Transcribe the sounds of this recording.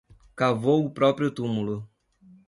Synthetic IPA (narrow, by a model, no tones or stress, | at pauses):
kavowʊpɾɔpɾjʊt̪umulʊ